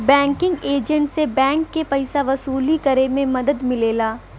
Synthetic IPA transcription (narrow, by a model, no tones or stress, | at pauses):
bɛ̃ːŋkɪ̃ŋɡeːd͡ʒə̃ɳʈsebɛ̃ːŋkːepɐɪsaʋɐsuːlikɐɾemẽmɐd̪əd̪mɪleːlaː